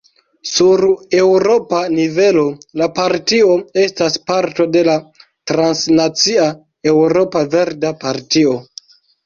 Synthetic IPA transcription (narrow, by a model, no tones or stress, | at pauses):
suɾe̞wɾo̞panive̞lo̞lapaɾtio̞e̞staspaɾto̞de̞la | tɾansnat͡sia | e̞wɾo̞pave̞ɾdapaɾtio̞